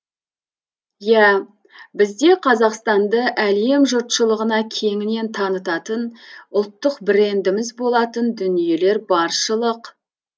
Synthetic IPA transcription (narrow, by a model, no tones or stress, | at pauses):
jæ | bɪzd̪e̞qʰɑzɑqst̪ɑnd̪əʔæle̞mʒʊɾt̪ʃəlˠəʁənɑkʲʰe̞ŋɪne̞nt̪ʰɑnət̪ɑt̪ənʊlˠt̪ːəqbɪɾe̞nd̪ɪmɪzbo̞lˠɑt̪ənd̪ʏnije̞le̞ɾbɑɾʃəlˠəq